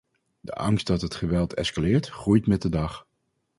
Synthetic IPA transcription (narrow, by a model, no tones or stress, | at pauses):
də̰ʔɑ̰ŋst̚dɑtɦətχəʋɛlˠtʰɛ̰skalɪːɹtχrujtmɛt̚dədɑχ